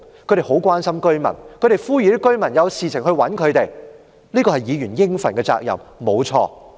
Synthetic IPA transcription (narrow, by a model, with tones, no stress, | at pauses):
kʰɵ˨ɥte˨˩hɦo˨˥wkwaː˥nsɐ˥mkɵ˥ɥmɐ̰˨˩nkʰɵ˨˧ɥte˨˩jfuː˥jyː˨˧t̪ɪ˥kːɵ˥ɥmɐ˨˩njɐ˨˧wsiː˨t͡sʰɪ˨˩ŋhɵ˧ɥwɐ˨˥nkʰɵ˨˧t̪e˨j | liː˥kɔː˧hɐ˨jiː˨˧jyː˨˩njɪ˥ŋfɐ˨˩nkɛ˧t͡sa̰ː˧k̚jɐ̰˨˩mmo˨˧wt͡sʰɔ̰ː˧